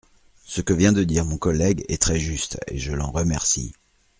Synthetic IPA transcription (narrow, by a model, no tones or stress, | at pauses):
səkəvjɛ̃d̪əd̪iʁmɔ̃kɔlɛɡɛ̰t̪χɛʒyst̪ḛʒəlɑ̃ʁəmɛʁsḭ